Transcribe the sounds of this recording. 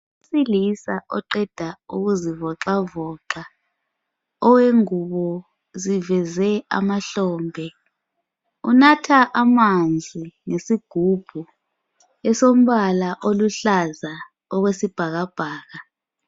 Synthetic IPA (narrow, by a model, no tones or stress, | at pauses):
silisaʔɔ̰ǃɛd̥ʱauɣuzivɔǁavɔːǁa | ɔweŋuɓɔ | zivɛzɛa̰maɬɔːmbʱɛ | unatʰaʔamand͡zʱiŋesiɡ̥ʱub̥ʱu | ɛsom̩ɓalaʔoluɬaza | ɔɣwesib̥ʱaɣ̬ab̥ʱaːɣa